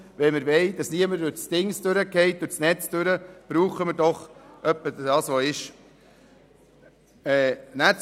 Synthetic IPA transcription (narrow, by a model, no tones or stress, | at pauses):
ʋɛməɾʋɛɪdɑsniəməɾdʊɾt͡sd̥ɪŋsd̥̪øɾəkɛɪt̚d̥ʊɾsnɛt͡sd̥̪øɾəb̥ɾuːχəməɾdɔχʔœpːədɑːsʋoɪʃ | ɛːnæt͡s